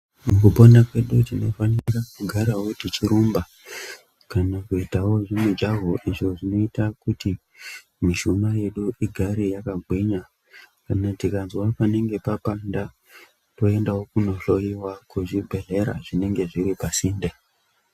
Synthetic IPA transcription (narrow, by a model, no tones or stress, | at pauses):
mukupo̞nakwe̞ɗutino̞fanirakuɡʱaɾawotit͡ʃiɾumba | kanakuitawo̞ʐemud͡ʒaɦoʔiʐo̞ʐino̞itakuti | miʃumaje̞ɗuiɡʱaɾijakaɡʱwiɲa | kanatikanzwapane̞ŋɡe̞papanda | to̞e̞ndawo̞kuno̞ɬo̞jiwakuʐibʱe̞ɮe̞ɾa̰ʐine̞ŋɡe̞ʐiɾipasinde